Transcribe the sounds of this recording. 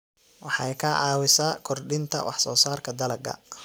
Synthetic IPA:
wɑħɑjkʰɐʕɑːwɪsaːkʰɔrɖɪnt̪ʰɐ̰wɑ̰ħsɔːsaːrkʰɐd̪ɐlɐɡɐ̰

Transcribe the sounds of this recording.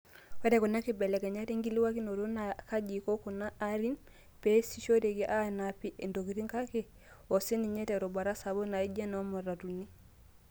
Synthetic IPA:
wedekonakebelekaɲatiŋɡiliwakinodonakaɟikokunaʔːɾin | pesiʃoɾeɡiʔanapiʔendoɡiɾiŋkake | oseniɲeteɾobaɾasabonaiɟenomoɾatuni

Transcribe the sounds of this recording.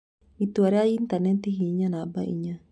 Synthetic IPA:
it̪uaɾeajiint̪anɛt̪ihiɲanabaʔḭɲːa

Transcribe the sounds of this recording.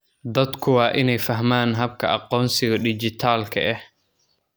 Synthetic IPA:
d̪ɐd̪kʰʊwɑːʔɪnɛjfɐɦmaːnɦɐb̚kʰɐʔɑqɔːnsɪɣɐɖɪd͡ʒɪt̪ʰaːlkʰɐ̰ʔɛh

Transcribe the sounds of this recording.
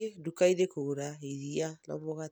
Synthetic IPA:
edukaiɾekoɾaiɾianɔ̰moɣa

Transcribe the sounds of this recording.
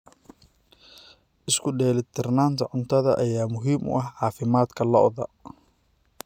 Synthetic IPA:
ʔɪskʰʊɖɛːlɪt̪ʰɪrnaːnt̪ʰɐʕʊnt̪ʰɐðɐ̰ʔɐjaːmʊɦiːmʔʊ̰ʔɐɦʕɑːfɪmaːd̪kʰɐlɔʔðɐ

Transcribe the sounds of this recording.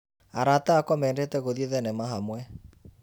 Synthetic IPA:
aɾataakwɔmɛːndetɛɣoðieðɛnɛmaɦamwɛ

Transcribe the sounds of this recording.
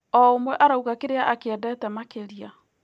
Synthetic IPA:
ɔomwɛʔaɾauɣakeɾeaʔakeɛdɛtɛmakeɾia

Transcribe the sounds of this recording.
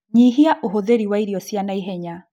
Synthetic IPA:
ɲiɦiaʔoɦoðeɾiwaiɾiɔsjanaiɦɛɲa

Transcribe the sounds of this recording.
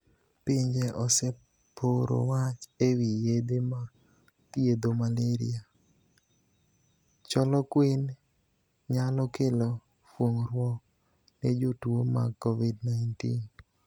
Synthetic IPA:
piɲd͡ʒeʔɔsɛ | pʰoɾo̰wat͡ʃewijed̪ema | tjed̪omaleɾḭa | t͡ʃɔlɔkwin | ɲalɔkelɔ | fwoŋɾwɔk | ned͡ʒotwoma̰kːovidnajntḭn

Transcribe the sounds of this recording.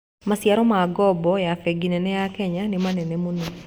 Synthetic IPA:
masjaɾɔmaɡɔbɔjafeɡinɛnɛjakɛɲanimanɛnɛmunu

